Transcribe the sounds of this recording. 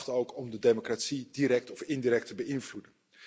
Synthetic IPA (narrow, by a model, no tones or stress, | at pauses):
χtəowkʰɔmdədejmokratsidiɾɛk̚tɔfɪndiɾɛk̚təbəɪnvludən